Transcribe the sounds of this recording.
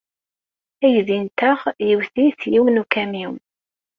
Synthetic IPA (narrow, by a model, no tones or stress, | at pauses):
æjðint̪əʁjəwθiθjiwnukæmiw